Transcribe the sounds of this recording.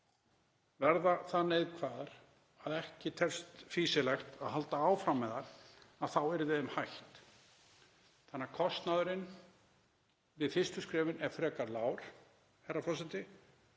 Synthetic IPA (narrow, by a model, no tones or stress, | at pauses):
vɛɾðaθanejðkʰvaːðaɾ̥ | aðɛhcɪt̪ʰɛr̥st̪fiːsɪlɛxt̪aðhɦal̪t̪aaːwfɾamːɛðaɾ̥aðθawɛɾvɪðʏmhajht̪ | θanːaɾkʰɔst̪naðʏɾɪn | vɪðfɪst̪ʏskɾɛːvɪnɛɾ̥fɾɛːkaɾlaːwɾ̥ | hɛrːafɔsɛnt̪ɪ